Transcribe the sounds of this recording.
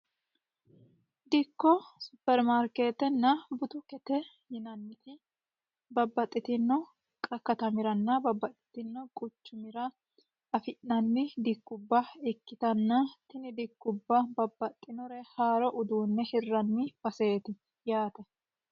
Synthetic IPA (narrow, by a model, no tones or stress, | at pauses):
d̪ɪkːɔsʊpːɛɾmaɾkeːt̪ɛnːɐbʊt̪ʊkɛt̪ɛ | jɪnɐnːɪt̪ɪ | bɐbːɐt̪ʼːɪt̪ɪnːɔ | kʼɐkːɐt̪ɐmɪɾɐnːɐbɐbːɐt̪ʼːɪ̥t̪ɪnːɔkʼʊt͡ʃːʊmɪɾɐ | ɐfɪʔnɐnːɪd̪ɪkːʊbːɐɪkːɪt̪ɐnːɐt̪ɪnɪd̪ɪkːʊbːɐbɐbːɐt̪ʼːɪnɔɾɛhaːɾɔʔʊd̪uːnːɛhɪrːɐnːɪbɐse̞ːt̪ɪ | jaːt̪ɛ